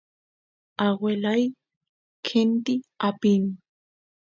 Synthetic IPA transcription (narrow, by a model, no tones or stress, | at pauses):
awelaj | kʰent̪iapin